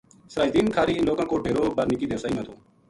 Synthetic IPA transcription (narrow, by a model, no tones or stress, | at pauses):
səɾaːɪt̪iːnkʰaːɾiːnloːkãːkoːɖʱeːɾoːbəɾnɪkiːd̪eːsaːiːãːt̪ʰoː